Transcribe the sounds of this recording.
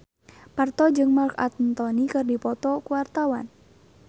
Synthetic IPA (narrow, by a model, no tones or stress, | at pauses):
part̪ɔd͡ʒɨŋmarka̰t̪̚nt̪ɔnikɨrdipɔt̪ɔkuwart̪awa̰n